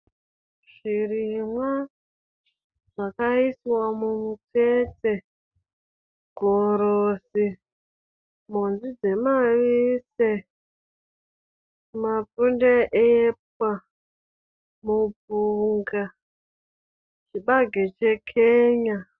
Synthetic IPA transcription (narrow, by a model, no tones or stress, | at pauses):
ʐ̥irimwa | ʐakaisiwamumwit͡set͡se | ɡ̥ʱoɾosi | monzid͡ze̞maʋise | map͡fundeʔep̚wa | mubʱuŋɡa | t͡ʃiɓaɡʱet͡ʃekʰeːɲa